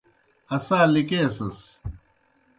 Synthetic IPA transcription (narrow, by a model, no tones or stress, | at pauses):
ɐsaːlikeːsɐs